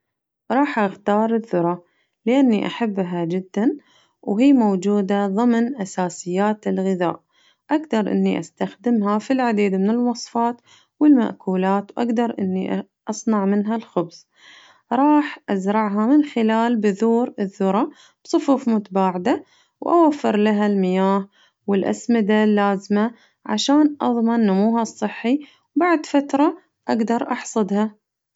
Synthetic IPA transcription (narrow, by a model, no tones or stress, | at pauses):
ɾˤɑːħʔaɣt̪ɑːɾˤɪðːʊɾˤɑ | lɪʔanːiʔaħabːɦad͡ʒɪd̪ːan | wɦiːmowd͡ʒuːd̪aðˤɨmnʔasaːsɪjːaːt̪ɪlɣɪða̰ːʔ | ʔaɡd̪ɑɾˤʔɪ̰nːiʔa̰st̪axd̪ɪmɦafilʕad̪iːd̪mɪnɪlwɑsˤfɑːt̪ | wɪlma̰ʔkuːlaːt̪wʔa̰ɡd̪ɑɾˤʔɪnːiʔ | ʔɑsˤnɑʕmɪnɦalxʊbs | ɾˤɑːħʔazɾˤɑʕɦamɪnxɪlaːlbʊðuːɾɪðːʊɾˤɑ | b̥sˤʊfuːfmʊt̪abaːʕɪd̪a | wʔa̰wafːɪɾˤlaɦalmɪjaːh | wɪlʔa̰smɪd̪alːaːzma | ʕa̰ʃaːnʔɑ̰ðˤmɑnːamuːɦɑsˤːɨħːi | wbaʕd̪fat̪ɾˤɑ | ʔaɡd̪ɑɾˤʔɑħsˤɨd̪hɑ